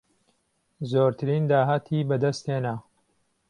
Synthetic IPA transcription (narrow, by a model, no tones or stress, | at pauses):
zoːɾt̪ʰɨɾiːnd̪aːɦaːt̪ʰiːbɐd̪ɐst̪heːna